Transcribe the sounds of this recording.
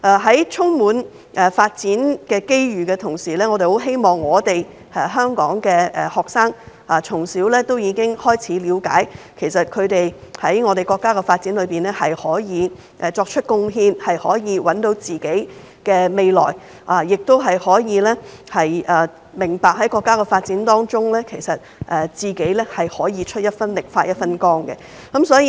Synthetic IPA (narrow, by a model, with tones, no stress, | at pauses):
ʔɛː˨˧ɦɐ˨˥jt͡sʰʊ˥ŋmuː˨˥n | ʔɛ˨faː˧t̚t͡siː˨˥nkɛː˧ke˥jɥyː˨˩kɛː˧t̪ʰʊ˨˩ŋsiː˨˩lɛː˥ŋɔ˨˧e˨jho˨˥wɦe˥jmɔː˨˩ŋːɔː˨˧t̪e˨j | ɛː˨˩ɦœː˥ŋkɔ̰ː˨˥ŋkɛː˧ʔhɔː˨k̚saː˥ŋ | aː˨t͡sʰʊ˨˩ŋsiː˨˥wlɛː˥t̪o˥wjiː˨˧kɪ˥ŋhɔː˥jt͡sʰiː˨˥liː˨˧wka̰ː˨˥jkʰe˨˩sɐ˨t̚kʰɵ˨˧t̪e˨jhɐ˨˥jŋɔː˨˧ɾe˨jkɔː˧kːaː˥kɛ˧faː˧t̚t͡si˨˥nlɵ˨˧ɥpiː˨nlɛː˥hɐ˨jhɔː˨˥jiː˨˧ | ʔɛ˨˧t͡sɔː˧k̚t͡ʃʰɵ˥t̚kʊ˧ŋɦiː˧nhɐ˨jhɔː˨˥jiː˨˧wɐ˨˥nt̪o˨˧˥wt͡siː˨ke˨˥j | kɛː˧me˨jlɔ̰ː˨˩j | ʔaː˨˩jɪ˨k̚t̪o˥wɦɐ˨jhɔː˨˥jiː˨˧lɛː˥hɐ˨jɐː˨˩ | mɪ˨˩ŋpaː˨k̚ɦɐ˨˥jkɔː˧kːaː˥kɛ˧faː˧t̚t͡siː˨˥nt̪ɔː˥ŋt͡ʃʊ˥ŋlɛː˥kʰe˨˩jsɐ˨t̚ʔɛː˨˧t͡siː˨ke˨˥jlɛː˥hɐ˨jhɔː˨˥jiː˨˧t͡ʃʰɵ˥t̚jɐ˥t̚fɐ˥nlɪ˨k̚faː˧t̚jɐ˥t̚fɐ˥nkɔː˥ŋkɛ̰˧ | kɐ˨˦˥msɔː˨˥jiː˧